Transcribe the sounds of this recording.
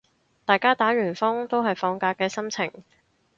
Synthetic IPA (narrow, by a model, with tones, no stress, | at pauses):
t̪aː˨jkaː˥t̪aː˨˥ɥyː˨˩nfʊ˥ŋt̪o˥wɦɐ˨jfɔː˧ŋkaː˧kːɛː˧sɐ˥mt͡sʰɪ˨˩ŋ